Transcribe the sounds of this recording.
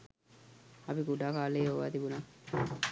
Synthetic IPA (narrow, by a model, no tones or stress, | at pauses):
ɐpikuɖaːkaːleːɦoʋa̰ːt̪ibunaː